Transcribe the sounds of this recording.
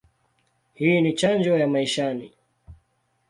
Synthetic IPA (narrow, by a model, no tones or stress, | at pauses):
hiːnit͡ʃand͡ʒɔjamaiʃani